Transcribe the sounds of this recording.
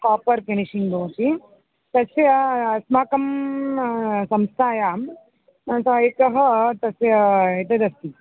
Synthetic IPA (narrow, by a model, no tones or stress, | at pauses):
kaːpɐɾkeɳiʃiŋɡoːt͡ʃi | t̪ɐsjɐsmaːkɐm | sɐmst̪ʰaːjaːm | sɐjikɐɦɐ̆t̪ɐsjɐet̪ɐd̪ɐst̪i